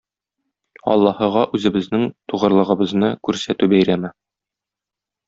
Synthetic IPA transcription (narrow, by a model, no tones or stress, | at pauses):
ɒ̰lˠːɑhɤ̆ʁɑʔʉzɘ̆bɘ̆znɘŋt̪uʁɤ̆ɾlˠɤ̆ʁɤ̆bɤ̆znɤkʉɾsæt̪ʉbæjɾæmɘ